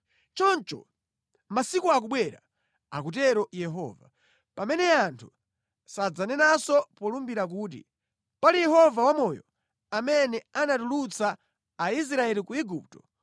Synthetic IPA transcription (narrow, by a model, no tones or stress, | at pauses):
t͡ʃɔnt͡ʃɔ̰ | masikuak̬uɓwɛɾa̰ | a̰k̬ut̬ɛɾɔjɛɦɔ̰ːva | pamɛnɛantʰu | sad͡zanɛnasɔpɔlumbiɾak̬uːt̬ḭ | palijɛɦɔvawamɔjɔ̰ | amɛnɛanatulut͡saː | is̬ɾaɛlikuiɡup̚tɔ